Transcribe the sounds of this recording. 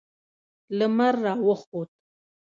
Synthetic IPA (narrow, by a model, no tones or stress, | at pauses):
ləmaɾːɑwəxot̪̚